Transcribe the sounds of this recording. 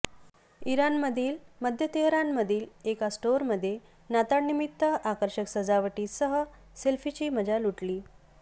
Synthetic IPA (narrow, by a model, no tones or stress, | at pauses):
iɾanməd̪ʱiːlməd̪ʱjət̪eɦɾanməd̪ʱiːlekasʈoɾməd̪ʱːje | nat̪aɽnimit̪ːəʔakəɾɕəksəd͡zaʋəʈiːsəɦə | selfit͡ɕiːməd͡zaluʈliː